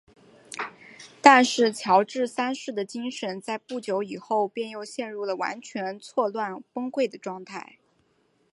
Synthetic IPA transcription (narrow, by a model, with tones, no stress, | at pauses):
t̪a˥˧nʂɻ̩˥˩t͡ɕʰjɑ˧˥ʊʈ͡ʂɻ̩˥˩sa˥nʂɻ̩˥˩d̪ə˩t͡ɕi˥ŋʂə˧˥nt͡sa˥˧ɪpu˥˩t͡ɕjo˧˥ʊi˨˩xo˥˧ʊpjɛ˥˧njo˥˧ʊɕjɛ˥˧nɻu˥˩lə˩wa̰˧˥nt͡ɕʰɥɛ˧˥nt͡sʰwɔ˥˧lwa˥˩nfɤ˥ŋkwe˥˩ɪd̪ə˩ʈ͡ʂwɑ˥˧ŋt̪ʰa˥˩ɪ